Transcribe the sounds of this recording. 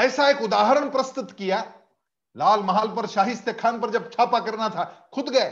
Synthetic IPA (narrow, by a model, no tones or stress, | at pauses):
ɛːsaeːkʊd̪aːɦɾəɽ̃pɾɐst̪ʊt̪kijaː | laːlmɐɦaːlpɐɾʃaːɦɪst̪jekʰaːnpɐɾd͡ʒɐb̚t͡ʃʰaːpakɐɾnat̪ʰakʰʊd̪ɡɐe